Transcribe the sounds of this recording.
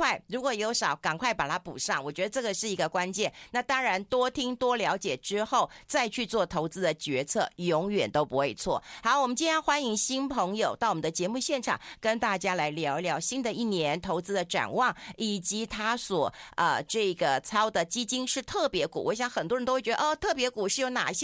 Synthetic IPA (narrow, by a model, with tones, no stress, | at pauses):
wa˥˩ɪɻu˧˥kwɔ˨˩jo˧˥ʊʂɑ˨˩˦ʊkɑ˨˩ŋkʰwa˥˩ɪpa˨˩t̪ʰa˥pṵ˨˩ʂɑ˥˩ŋwɔ˨˩t͡ɕɥɛ˧˥d̪ə˧ʈ͡ʂɤ˥˩ɡə˩ʂɻ̩˥˩i˧˥ɡə˧kwa˥nt͡ɕjɛ˥˩nna˥˩t̪ɑ˥ŋɻa˧˥nt̪wɔ˥t̪ʰi˥ŋt̪wɔ˥ljɑ˧˥ʊt͡ɕjɛ˨˩ʈ͡ʂɻ̩˥xo˥˩ʊt͡sa˥˧ɪt͡ɕʰy˥˧t͡swɔ˥˩t̪ʰo˧˥ʊt͡sɹ̩˥d̪ə˨t͡ɕɥɛ˧˥t͡sʰɤ˥˩jʊ˧˥ŋɥɛ˨˩nt̪o˥ʊpu˧˥xwe˥˩ɪt͡sʰwɔ̰˥˩xa˧˥˧wmə˦nt͡ɕi˥njɛ˥nxwa˥ni˧˥ŋɕi˥npʰɤ˧˥ŋjo˨˩ʊt̪ɑ˥˩ʊwɔ˨mə˨˦d̪ə˧t͡ɕjɛ˧˥mu˥˧ɕjɛ˥˩nʈ͡ʂʰɑ̰˨˩ŋkə˥nt̪a˥˩t͡ɕja˥la˧˥ɪljɑ˧˥ʊ˧ljɑ˧˥ʊɕi˥nd̪ə˨i˥˩njɛ˧˥nt̪ʰo˧˥ʊt͡sɹ̩˥d̪ə˨ʈ͡ʂa̰˨˩nwɑ˥˩ŋʔi˨˩t͡ɕi˧˥t̪ʰa˥swɔ˨˩ʔə˧ʈ͡ʂɤ˥˩ɡə˩t͡sʰɑ˥ʊd̪ə˨t͡ɕi˥t͡ɕi˥nʂɻ̩˥˧t̪ʰɤ˥˩pjɛ˧˥kṵ˨˩wɔ˧˦˥ɕjɑ˧˦ŋxə˨˩nt̪wɻnt̪o˥wt͡ɕɛ˧˥də˧ɔ˥˩t̪ʰɤ˥˩pjɛ˧˥ku˨˩ʂɻ̩˥˩jo˧˥ʊna̰˨˩˧ɕ